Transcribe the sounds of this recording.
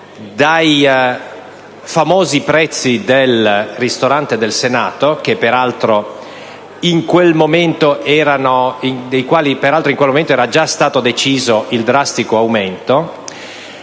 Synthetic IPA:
d̪aj | famoːzipɾɛt̪sːid̪elrist̪oɾant̪ed̪elsenaːt̪ok̟epːeɾalt̪ɾo | iŋkwelmoment̪oɛːɾanoid̪ejkwaːlipeɾalt̪ɾoiŋkwelmoment̪oɛːɾad͡ʒast̪aːt̪od̪et͡ʃiːzoild̪ɾast̪ikoawment̪o

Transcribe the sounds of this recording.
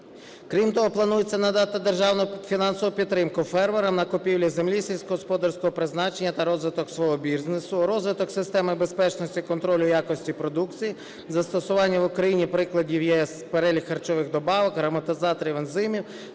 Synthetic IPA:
kɾʲimt̪ɔɦɔplˠɐnujet͡sʲːɐnɐd̪ɑt̪ɪd̪erʒɑwnʊfʲinɑnsɔʋʊpʲid̪t̪ːɾɪmkʊfɛrʋɐɾɐmnɐkʊpʲiwlʲizemlʲisʲilʲsʲkɔɦɔspɔd̪ɐrsʲkɔɦɔpɾɪznɑt͡ʃenʲːɐt̪ɐɾɔzʋɪt̪ɔksʋɔɦɔbʲiznesʊɾɔzʋɪt̪ɔksɪst̪ɛmɪbe̞spɛt͡ʃnɔsʲtʲikɔnt̪ɾɔlʲʊjakɔsʲtʲipɾɔd̪ukt͡sʲiji | zɐst̪ɔsʊʋɑnʲːɐʋʊkɾɐjinʲipɾɪklˠɐdʲiwjɛɛspeɾɛlʲixːɐrt͡ʃɔʋɪxd̪ɔbɑʋɐkɦɾɐmɐt̪ɪzɑt̪ɔɾʲiʋenzɪmʲiw

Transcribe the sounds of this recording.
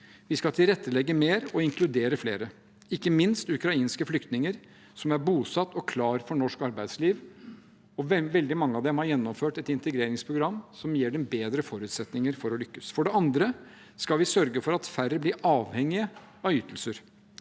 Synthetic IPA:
ʋɪskɑlt̪ʰɪlɾɛt̪ːəlɛɡːəmeːɾɔɪŋkʰlʉd̪eːɾəflḛːɾə | ɪkːəmɪnst̪ʉkɾɑiːnskəflʏkt̪nɪŋəɾ | sɔmæɾbuːsɑt̪ːɔkʰlɑːɾfɔɳɔʂkɑɾbæɪd̪sliːʋ | ɔʋɛld̪ɪmɑŋːəɑʋd̪ɛmhɑɾjɛnːɔmføːʈɛt̪ɪnt̪əɡɾeːɾɪŋspʰɾʊɡɾɑmːsɔmjeːɖɛmbeːd̪ɾəfɔɾʉːt̪sɛt̪nɪŋəɾfɔɾɔlʏkːəsfɔɖɛɑnd̪ɾə | skɑlʋɪsœɾɡəfɔɾɑt̪fæɾəblɪːʔɑːʋhɛŋːɪə | ɑʏt̪əlsəɾ

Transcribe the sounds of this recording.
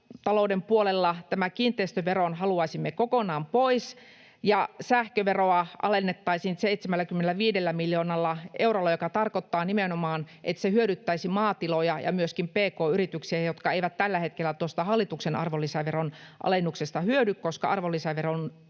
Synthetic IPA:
t̪ɑloudempuolelːɑt̪æmækiːnt̪ˑeist̪øʋeronhɑluɑisimːekokonɑːmpois | jɑsæhkøʋeroɑʔɑ̰lenːet̪ːɑisint̪seit̪semælːækymːenelæʋiːdelːæmiljoːnɑlːɑʔeurolːɑjokɑt̪ɑrkot̪ːɑːnimenomɑːnʔḛt̪sehyøɾyt̪ːæisimɑːt̪ilojɑjɑ̰myøskimpeːkoːyrit̪yksiæjot̪kɑeiʋæt̪t̪ælːæhet̪kelːˑæt̪uost̪ɑhɑlːit̪uksenʔɑ̰rʋolːisæʋeronʔɑ̰lenːuksest̪ɑhyødykkoskɑ̰ʔɑrʋolːisæʋeron

